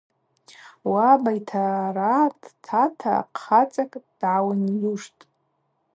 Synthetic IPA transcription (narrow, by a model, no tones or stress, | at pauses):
wabajtʰaratʼtʰatʰa̰qχat͡sʼakʼd̥ʕawanjuʂtʼ